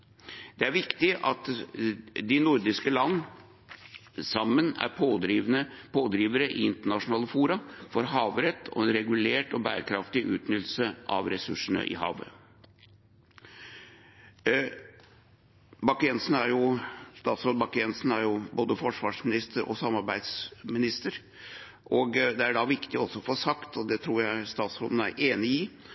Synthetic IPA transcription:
d̪̥ɛæɾʋɪkt̪ɪʔɑt̪ | d̪ɪnʊɾd̪ɪskəlɑnː | sɑmːənæ̰ɾpʰoɾnəpʰoːd̪ɾiːʋəɾəʔɪ̰ɪnt̪əɳɑʂʊnɑːləfuːɾɑfɔɾɦɑːʋɾɛt̪ʰːɔ̰ɛnɾɛɡʉleːʈɔbæːɾəkʰɾɑft̪ɪʔʉːt̪nʏt̪l̩səʔɑ̰ʋɾɛsʉʂəɳə̰ʔɪ̰hɑ̰ːʋə̰ | bɑkɛnsn̩æɾjʊst̪ɑːt̪sɾoːd̪bɑkɛnsn̩æɾjʊboːd̪əfɔʂʋɑːʂmɪnɪst̪ʰəɾʔɔ̰sɑmɑɾbæɪd̪smɪnɪst̪əɾ | ʔɔɡd̪ɛæɖɑʋɪkt̪ɪɔɔsːɔfoːsɑkt̪ʰɔd̪ɛt̪ʰɾuːɾjæɪst̪ɑːt̪sɾoːd̪n̩æ̰ɾʔeːnɪɪ

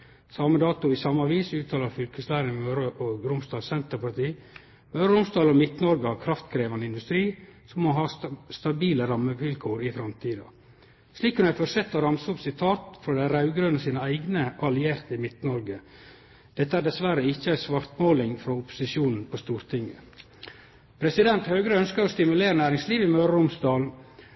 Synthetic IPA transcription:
sɑməd̪ɑːt̪ʊɪsɑmːəɑʋiːsʉːt̪ʰɑːlɑɾfʏlkəslæːɾəmɛmœɾəʔɔɡɾʊmst̪ɑːsɛnt̪əɾpɑɾt̪ʰiː | mœːɾɾʊmst̪ɑːlɔmɪt̪nəɔɾɡəɑkʰɾɑft̪kʰɾeːʋɑnɪnd̪ʉst̪ɾiːsɔmːoɦɑːst̪ɑbiːləɾɑmːəʋɪlkʰoːɾɪfɾɑmt̪ʰiːd̪ɑ̰ | sliːkʉnæɪfɔsɛt̪ːɔɾɑmsəɔpsɪt̪ʰɑːt̪fɾɔd̪æɾɑʉɡɾønəsiːnəæɪɡnəʔɑlɪeːɾt̪əɪmɪt̪nɔɾɡə | d̪̥ɛt̪ːəæːɖɛsʋæɾəɪçːəæɪsʋɑɾt̪moːlɪŋfɾɔʊpʊ̥sɪʃuːnn̩pʰɔst̪uːɾt̪ʰɪŋːə̰ | pʰɾɛsɪd̪ɛnt̪høːɡɾəœnskəɾɔst̪ɪmʉleːɾənæːɾɪŋsliːʋɪmœɾəɾʊmsd̪ɑːl

